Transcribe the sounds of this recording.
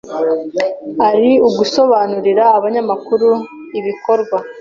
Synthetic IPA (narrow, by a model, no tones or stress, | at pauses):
aɾiuɡuso̞βaːnuɾiɾaːβaɲamakuɾu | iβiko̞ɾɡwa